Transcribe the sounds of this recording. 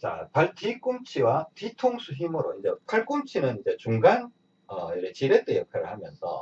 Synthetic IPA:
t͡ɕa̰paɭtik͈umt͡ɕʰiwatitʰoŋsʰuɦimɯɾoind͡ʑe̞pʰaɭk͈umt͡ɕʰinɯnind͡ʑe̞t͡ɕuŋɡan | ʌʌɾet͡ɕiɾet͈ejʌkʰaɾɯɭhamjʌnsʰʌ̰

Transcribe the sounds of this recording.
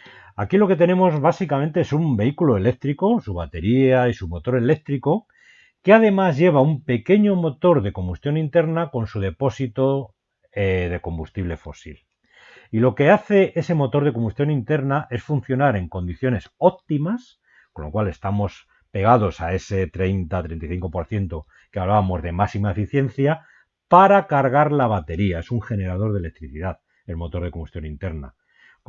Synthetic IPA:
akilo̞ke̞t̪e̞nẽ̞mo̞zβasikamẽnt̪eesumbe̞ikuloe̞le̞k̚t̪ɾiko̞suβ̞at̪e̞ɾiaisumo̞t̪o̞ɾe̞le̞k̚t̪ɾiko | keað̞e̞mazʝe̞β̞aumpe̞ke̞ɲo̞mo̞t̪o̞ɾðeko̞mbust̪jo̞nint̪e̞ɾnako̞nsuð̞e̞po̞sit̪o | eðe̞ko̞mbust̪iβle̞fo̞̰sḭl | ilo̞ke̞aθe̞ʔe̞se̞mo̞t̪o̞ɾð̞e̞ko̞mbust̪jo̞nint̪e̞ɾnaʔe̞sfunθjo̞naɾe̞ŋko̞nd̪iθjo̞ne̞so̞p̚t̪imas | konlo̞kwale̞st̪amo̞s | pe̞ɣ̞að̞o̞sae̞se̞t̪ɾe̞jnt̪at̪ɾent̪ajθiŋko̞po̞ɾθje̞nt̪o̞ | keaβlaβamo̞zðe̞masimae̞fiθje̞n̟θja | paɾakaɾɣ̞aɾlaβ̞at̪e̞ɾiae̞suŋxe̞ne̞ɾað̞o̞ɾð̞ele̞k̚t̪ɾiθiðað | elmo̞t̪o̞ɾðeko̞mbust̪jo̞nint̪e̞ɾna̰

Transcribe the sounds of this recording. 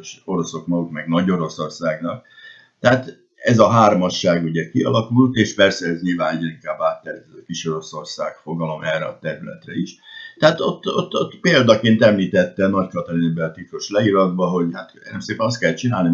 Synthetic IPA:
ʃo̞ɾo̞so̞kmɒɡuk̪mɛɡnɒɟo̞ɾo̞so̞rsaːɡnɒk | t̪ɛat̪ | ɛzɒɦaːrmɒʃːaːɡuɟɛkiɒ̰lɒkult̪eːʃpɛrsɛɛzɲilvaːnɛɟɛniŋkaːbaːt̪ːɛɾɛzkiʃo̞ɾo̞so̞rsa̰ːkfo̞ɡɒlo̞mʔɛrːɛɒt̪ɛɾylɛ̰t̪rɛiʃt̪ɛaːt̪o̞t̪ːot̪ːot̪peːld̪ɒkeːnt̪ɛmliːt̪ɛt̪ːɛnɒckɒt̪oɾibɛɒt̪ik̪oʃlɛiɾɒd̪bɒɦo̞ɟhaːt̪ːnd̪ɛmseːpɛnɒst̪kɛlːɛt̪t͡ʃinaːlni

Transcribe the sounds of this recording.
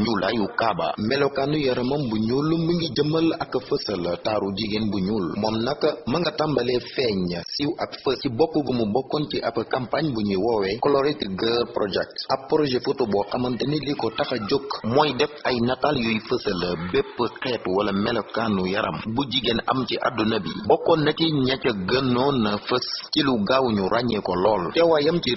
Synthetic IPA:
ɲulʔajukaba̰mɛlokanːujɐɾɐmɐmbuɲulːumməŋɡiɟəmɐlɐkːɐfəsɐlɐtaːɾuɟiɡenbuɲulmɔmnɐkːɐmɐŋɡɐtambɐlɛfɛɲɐsiwʔɐkfəssibɔkːubəməbɔkːɔntiʔɐpɐkampaɲbuɲiwɔwɛkɔlɔɾitiɡəɾpɾɔd͡ʒɛk̚tɐpːɾɔʒɛfutubɔʔɐmɐntɐnilikɔtɐxɐɟokːmɔːjdɛfɐjnataljujfəsɐlɐbɛpːəkɛtwɐlɐmɛlɐkaːnːujɐɾʔɐ̰mbuɟiɡenɐ̰mciʔa̰dunɐbḭbɔkːɔnːɐciɲɐcɐɡɐnːɔnɐfəsiluɡawɲuɾaɲɛkɔlɔːlkɛwajɐmt͡ʃi

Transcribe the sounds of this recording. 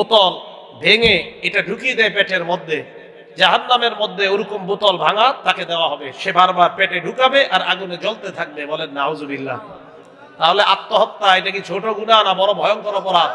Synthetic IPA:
ot̪ɔl | bʱeŋeeʈaɖʱukid̪ɛepɛʈeɾmod̪ʱːe | d͡ʑaɦanːameɾmod̪ʱːeoɾukombot̪ɔlbʱaŋat̪ːaked̪eoaɦɔbeʃebaɾbaɾpɛʈeɖʱukabeʔaɾaɡuned͡ʑolt̪et̪ʰak̚bebɔlenːauzobilːa̰ | t̪aɦoleʔat̪ːoɦɔt̪ːaejʈakit͡ɕʰoʈoɡunanabɔɾobʱɔjoŋkɔɾopɔɾa

